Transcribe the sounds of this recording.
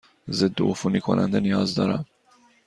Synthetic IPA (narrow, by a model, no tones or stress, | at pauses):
zed̪ːoʔofunikʰo̰nʔæ̰nd̪enijɒːzd̪ɒːɾæm